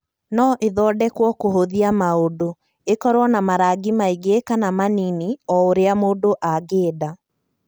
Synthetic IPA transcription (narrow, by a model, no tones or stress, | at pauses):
nɔʔeðɔdɛkwɔkoɦoðiamaodo | ekɔɾwɔnamaɾaɡimaiɡekanamaniniɔoɾeamoːdoʔaɡeːda